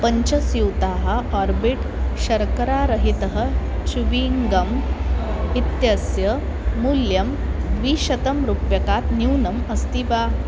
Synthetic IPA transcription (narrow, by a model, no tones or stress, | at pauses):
pəɲt͡ɕɐsuwt̪aɦaɔɾbiʈɕɐɾkəɾaɾəɦit̪əɦət͡ɕuʋiŋɡɐm | it̪jɐsjə | muljɐmʋiːɕɐt̪əmɾupjɐkat̪niwnɐməst̪iʋa